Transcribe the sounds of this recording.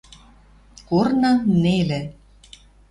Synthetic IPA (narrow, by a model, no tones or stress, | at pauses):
kornɑŋnelĕ